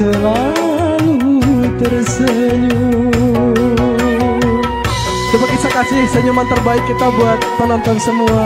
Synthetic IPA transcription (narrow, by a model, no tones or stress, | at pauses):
əla | lut̪ərsəɲu | t͡ʃupakisakasɪhsəɲumant̪ərbaɪkːit̪abuat̪̚pənɔnt̪ɔnsəmua